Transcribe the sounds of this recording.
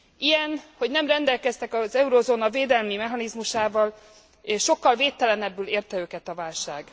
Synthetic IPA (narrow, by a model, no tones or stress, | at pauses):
ijɛnho̞ɟnɛmrɛnd̪ɛlkɛst̪ɛkɒzɛuɾoːzoːnɒveːd̪ɛlmimɛɦɒnizmuʃaːvɒl | eʃʃo̞kːɒlveːt̪ːɛlɛnɛbːyːleːrt̪ɛøːkɛt̪ɒvaːlʃaːɡ̥